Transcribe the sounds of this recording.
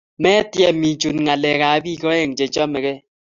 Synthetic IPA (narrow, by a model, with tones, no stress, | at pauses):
mɛ˦tjɛ˦˨mi˨d͡ʒu˨nŋa˨lɛ˨ka˨˦bi˦˨kɔ˦e˨ŋ̩˨d͡ʒe˨d͡ʒɔ˦me˨ɣe˦